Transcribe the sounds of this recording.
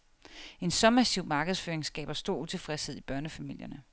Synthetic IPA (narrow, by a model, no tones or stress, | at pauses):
e̝nsɒ̽mæsiʊ̰mɑ̈ːɡ̥ð̩ˠsføːɐeŋsɡ̥ɛ̰ːb̥ɐsd̥o̝ɐ̰ut͡sʰe̝fʁɛsheð̰ˠib̥ɶɐnəfæmil̰jɐnə